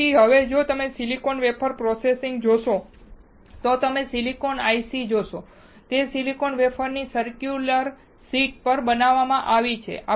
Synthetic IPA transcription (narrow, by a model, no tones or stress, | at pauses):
iɦəʋed͡ʒot̪əmesilikonʋepʰəɾpɾɔsesɪŋɡd͡ʒoʃo | t̪ot̪əmesilikonajsid͡ʒoʃo | t̪esilikonʋepʰəɾnisəɾkjuləɾ | siʈ̚pəɾbənaʋːamãʔaʋit͡ʃʰḛʔa